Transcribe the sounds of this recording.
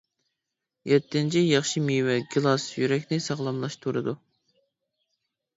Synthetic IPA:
jɛt̪ːɪnt͡ʃʰijɑχʃimiwɛɡɨlˠɑsjyɾɛkʲnɪsɑʁlˠɑmlˠɑʃt̪ʰuɾɨ̰d̪u

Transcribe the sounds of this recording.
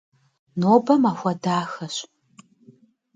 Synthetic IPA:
noːbɐmaːxʷɐdaːxɐɕ

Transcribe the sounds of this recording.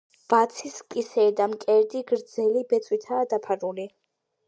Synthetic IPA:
b̥at̪sʰiskʼisɛːd̪amkʼɛɾd̪iɡɾd̪zɛlibɛt̪sʼwit̪ʰaːd̪apʰaɾuli

